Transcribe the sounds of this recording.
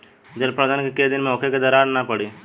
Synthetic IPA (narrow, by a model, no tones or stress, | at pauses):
d͡ʒɐlpɾɐd̪ankeked̪ɪnmeoːkʰeked̪ɐɾaːɾnapɐɽiː